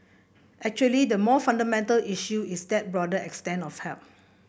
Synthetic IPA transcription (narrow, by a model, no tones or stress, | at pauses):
ʔɛk̚t͡ʃuəlidəmɔfãndəmɛ̃ntəliʃjuisdɛt̚bɹɔdəɛkstɛ̃nɔfhɛlp̚